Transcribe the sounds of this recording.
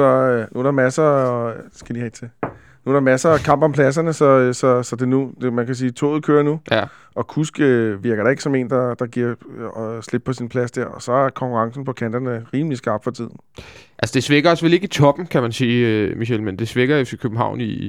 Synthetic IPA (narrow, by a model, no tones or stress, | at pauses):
ɾɑnuæɾɑ̈mæsɐ | sɡ̥æd̥iʁɛɡ̥t͡sʰe̝ | nuæɾɑ̈mæsɐkʰɑ̈m̰b̥ɒ̽mpʰlæs̬ɐnəsɒ̽sɒ̽sɒ̽d̥e̝nud̥emænkʰæs̬iːt͡sʰo̰ːð̞̩ˠkʰøːɐnu | ɒ̽kʰusɡ̥øʋiɐɡ̥ɐɾ̥ɑ̈e̝ɡ̥sɒ̽me̝̰ːnd̥ɑ̈d̥ɑ̈ɡ̥iɐ̰ɒsle̝b̥̚pʰɒ̽sinpʰlæsd̥eɐɒ̽sɒ̽æɐkʰɒ̽ŋkʰuʁɑ̈ŋsn̩pʰɒ̽kʰænd̥ɐnəʁiːmlisɡ̥ɑ̈ːb̥fɒ̽t͡sʰið̰ˠn̩ʔælsəd̥e̝sʋeɡ̥ɐɒsʋele̝ɡ̥it͡sʰɒ̽b̥n̩kʰæmænsiːmiɕel̰mend̥e̝sʋeɡ̥ɐoskʰøb̥m̩ɦɑ̈ʊ̰ni